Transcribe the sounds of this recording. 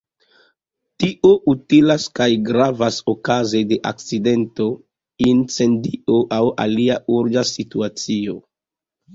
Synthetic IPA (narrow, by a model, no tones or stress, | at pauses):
tiʔoʔutilaskajɡɾavasokazede̞ʔa̰k̚t͡side̞nto̞ | int͡se̞ndioʔawa̰liaʔuɾd͡ʒasituat͡sio̞